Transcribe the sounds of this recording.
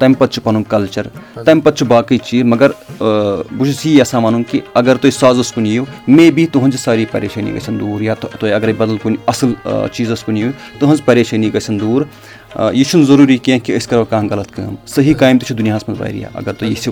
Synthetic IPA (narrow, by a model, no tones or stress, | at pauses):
t̪ɐmpɐt̪̚t͡ʃʰu̥pɐnũkɐlt͡ʃɐɾt̪ɐmpɐt̪̚t͡ʃʰubaːkɐjt͡ʃiːzmɐɡɐɾ | but͡ʃsiɐsaːmaːnũŋkiɐɡɐɾt̪osaːzɐskunijumẽːbit̪uɦɐ̃nzsaːɾipɐ̰ɾeːʃʰɐːnḭɡɐ̰sʰɐnd̪uːɾjaːt̪t̪oːiɐɡɐɾibɐd̪əlkunɐ̰sɐlt͡ʃiːzɐskuniju | t̪uɦɐnzpɐɾeːʃɐːniɡɐsʰɐnd̪uːɾ | jit͡ʃʰunzɐɾuːɾikiãkiəskɐɾʋkãːɡɐlɐt̪̚ʰkɐ̰ːmsɐɦikaːjmt̪it͡ʃʰud̪unijãːsmɐnzba̰ːj̰ɾḭja̰ːʔɐ̰ɡɐɾt̪ojisi